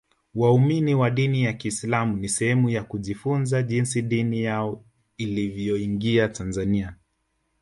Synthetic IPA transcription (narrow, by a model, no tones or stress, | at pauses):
wauminiwaɗinijakiːslamunisɛhɛmujakuʄifunzaʄinsiɗinijaɔ | ilivjɔiŋɡiatanzania